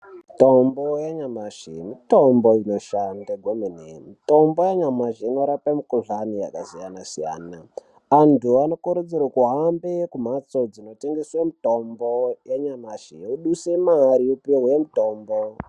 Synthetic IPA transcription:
mitombojaɲamaʐ̥ḛmitomboino̞ʃandaɡʱwemenemito̞mbo̞jeɲamaʐeinoɾapamukoʐania̰kazijanasija̰ːna | antʰuano̞kuɾud͡zirakuɦambekum̤at͡so̞d͡zino̞te̞ŋɡeswamito̞mbojeɲamaʐ̥euɗusemaɾiupiɦwemito̞ːmbo

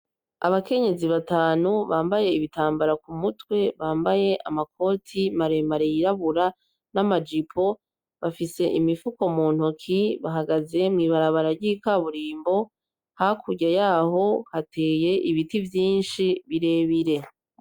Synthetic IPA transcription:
a̰βake̞ɲe̞ziβataːnuβaːmbaje̞iβitaːmbaɾakumutwe̞βaːmbaje̞ʔa̰mak̚ʰo̞tʰimaɾemaɾejiɾaβuɾa | namad͡ʒipʰo̞ | βafise̞ʔimifuko̞muːn̥hukʰiβaɦaɡaze̞mŋiːβaɾaβaɾaɟikaβuɾiːmbo̞ | hakʰuɟajaːɦo̞hatʰe̞ːje̞ʔiβitivjiːnʃiβiɾe̞ːβiɾe̞

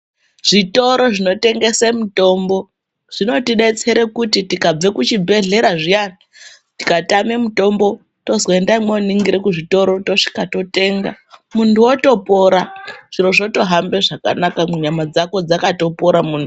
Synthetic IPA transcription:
ʐ̥ito̞ɾo̞ʐino̞te̞ŋɡe̞semuto̞mbo̞ | ʐ̥ino̞tiɗe̞t͡se̞ɾekutitikab͡vekut͡ʃibʱe̞ɮe̞ɾaʐijana | tikatame̞muto̞mbo̞ | to̞zoendaimwoniŋɡiɾekuʐito̞ɾo̞to̞ʂi̥kato̞te̞ːŋɡa̰ | muntʰuwoto̞po̞ɾaʐ̥iɾo̞ʐo̞to̞ɦambeʐaka̰nakamuɲamad͡zako̞d͡zakato̞po̞ɾamuːntʰu

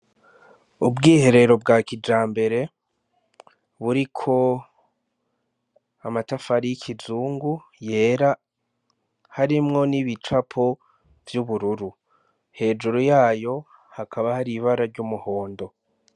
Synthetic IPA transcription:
ubɡiːhe̞ɾe̞ɾo̞b̚ɡakid͡ʒaːmbe̞ɾe̞ | βuɾikʰo̞ | amatafaɾijikʰizuːŋɡu | je̞ːɾa | haɾimŋo̞niβit͡ʃapʰo | vjuβuɾuɾu | he̞ːd͡ʒuɾujaːjo̞ | hakʰaβahaɾiβaɾaɾɟuːmuho̞ːndo̞

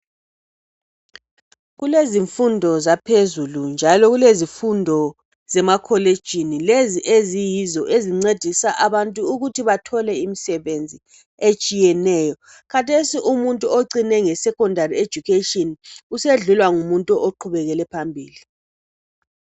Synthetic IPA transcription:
ɣuleziɱfundʱɔzapʰezulund͡ʒʱalɔɣulezifundʱɔ | z̥ɛmakʰɔled̥ʒ̥ʱinileziʔezijizɔʔeziŋ͡ǀed̥ʱisaʔaβantʼuːɣutʰiβatʰɔlɛimisɛβend͡zʱi | et͡ʃʼijɛnɛːjɔ | kʰatʰesiʔumuntʼuoǀinɛŋɛsɛkɔndʱarie̥d͡ʒ̥ʱukʰetʼɔnuseɮulwaŋumuntʼuʔoǃʰuβɛɣɛlɛpʰambʱḭːli

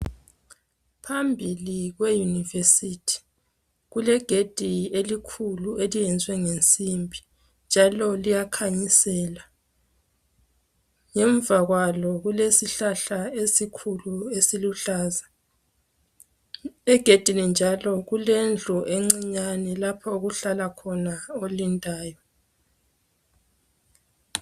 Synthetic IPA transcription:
pʰambʱiliɣwejunivesitʰi̥ | ɣulɛɡ̥ʱed̥ʱielikʰuluʔelijɛnd͡zʱwɛŋent͡sʼimbʱi | nd͡ʒʱalɔlijakʰaɲisɛːla | ŋɛɱvaɣwalɔɣulesiɬaɬaesikʰuluesiluɬaːza | ɛɡ̥ʱed̥ʱinind͡ʒʱalɔɣulend͡ɮʱuʔeŋ͡ǀiɲanɛlapʰɔuɣuɬalakʰɔnaolintʼaːjɔ

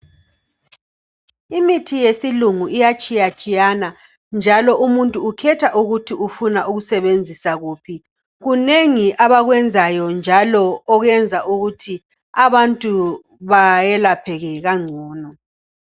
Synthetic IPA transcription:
imitʰijesiluŋuijat͡ʃʼijat͡ʃʼijana | nd͡ʒʱalɔʔumuntʼuːkʰɛtʰaʔuɣutʰiufunaʔuɣusɛβend͡zʱisaɣuːpʰi | ɣuneŋiʔaβaɣwɛnd͡zʱajɔnd͡ʒʱalɔːɣɛnd͡zʱaʔuɣutʰi | aβantʼu | βajɛlapʰɛɣɛɣaŋ͡ǀʱɔːnɔ

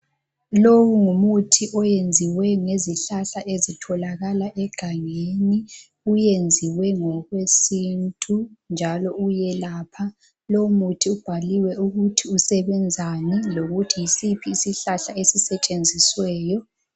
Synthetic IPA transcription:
lowuŋumutʰiʔɔjend͡zʱiwɛŋeziɬaɬaʔezitʰɔlaɣalaʔɛɡ̥ʱaŋeni | ujend͡zʱiwɛŋɔɣwesintʼund͡ʒʱalɔujɛlaːpʰa | lowumutʰiub̥ʱaliwɛuɣutʰiusɛβɛnd͡zʱaniloɣutʰijisipʰiːsiɬaɬaesisɛt͡ʃʼend͡zʱiswɛːjɔ

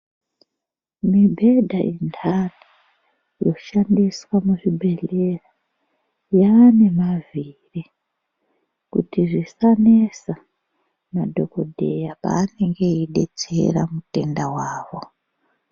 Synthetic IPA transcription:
mibʱe̞dʱaʔindʰana | jo̞ʃandiswamuʐibʱe̞ɮe̞ra | jaːne̞maviri | kṵtiʐisanesa | madʱo̞ko̞dʱe̞japa̰ːne̞ŋɡe̞iɗe̞̰t͡se̞̰ra̰mute̞̰ndawaːʋo̞

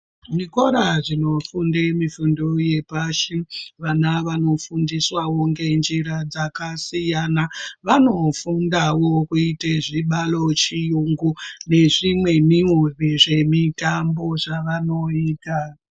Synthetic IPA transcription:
ʐikoɾaʐino̞fundemifundoje̞paʃiʋanaʋano̞fundiswawoŋɡe̞nd͡ʒiɾad͡zakasijanaʋano̞fundawo̞kuiteʐiɓalo̞t͡ʃijuŋɡune̞ʐimwe̞miuriʐe̞mitambo̞ʐaʋano̞iːta

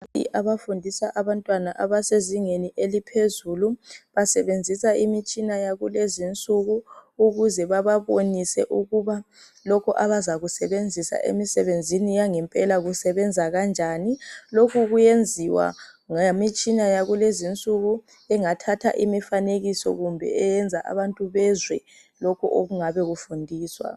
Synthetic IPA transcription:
ḭʔaβafundʱisaʔaβantʼwanaʔaβaseziŋeniʔelipʰezuluβasɛβend͡zʱisaimit͡ʃʼinajaɣulezint͡sʼuɣuːɣuzɛβaβaβonisɛʔuɣuβa | lɔkʰɔʔaβazaɣusɛβend͡zʱisa̰ʔḛmisɛβend͡zʱinijaŋɛmpʼɛlaɣusɛβɛnd͡zʱaɣand͡ʒʱanilokʰuɣujend͡zʱiwa̰ŋamit͡ʃʼinajaɣulezint͡sʼuɣu | ɛŋatʰatʰa̰ʔimifaneɣisɔ̰ɣumbʱɛ̰ɛjɛnd͡zʱaʔa̰βantʼuβɛzwɛ | lokʰuʔoɣuŋaβɛɣufundʱiːswa̰

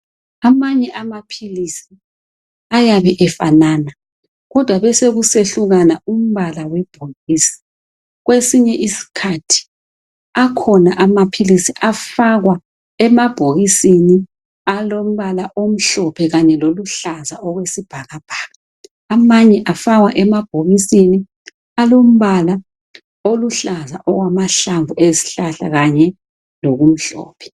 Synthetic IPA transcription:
amaɲɛʔamapʰilisi | ajaβɛʔɛfa̰naːna | ɣɔd̥ʱwaβɛseɣuseɬuɣanaum̩βalawɛb̥ʱoɣisi̥ | ɣwesiɲɛʔisi̥kʰatʰi̥ | akʰɔnaʔamapʰilisiʔafaɣwa | ɛmab̥ʱoɣisini | alom̩βalaʔom̩ɬɔpʰɛɣaɲɛloluɬazaɔɣwesib̥ʱaɣab̥ʱaːɣaː | maɲɛʔafaɣwaʔɛmab̥ʱoɣisini | alom̩βala | oluɬaza̰ʔɔɣwamaɬaɱvueziɬaɬa̰ɣaɲɛ | loɣum̩ɬɔ̰ːpʰɛ̥

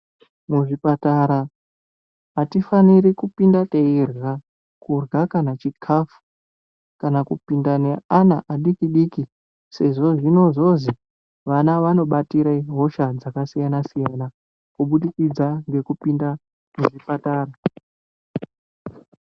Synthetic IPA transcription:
muʐipataɾa | ɦatifaniɾikupindateirɣa | kurɣakanat͡ʃikʰafu̥ | kanakupindane̞anaʔaɗikiɗiːki | se̞ʐo̞ʐino̞ʐo̞zi | ʋanaʋano̞ɓatiɾaiɦo̞ʃad͡zakasijanasijana | kuɓuɗikid͡zaŋɡe̞kupinda | muʐipataːɾa

